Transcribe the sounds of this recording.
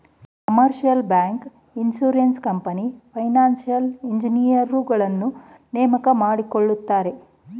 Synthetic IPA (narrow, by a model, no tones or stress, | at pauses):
kkɐmɐɾʃijɐlbaːŋk | insuːɾenskɐmpɐnipʰɐjnaːnsijɐliɲd͡ʒinijɐɾːuɡɐɭɐnːu | nɛːmɐkɐmaːɽikoɭːut̪ːaːɾe̞